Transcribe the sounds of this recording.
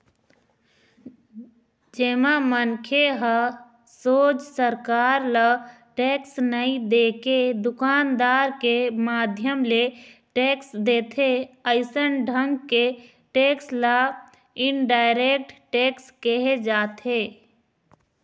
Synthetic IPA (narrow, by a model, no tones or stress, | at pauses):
d͡ʒeːmamənkʰeɦə | soːd͡ʒsəɾkaːɾlə | ʈeːksnəĩd̪eːked̪ʊkaːnd̪aːɾkemaːd̪ʱjəmleʈeːksd̪eːt̪ʰeəɪsənɖʱə̃ŋɡke | ʈeːksla | ɪnɖaːɪɾek̚ʈʈeːkskəɦed͡ʒaːt̪eː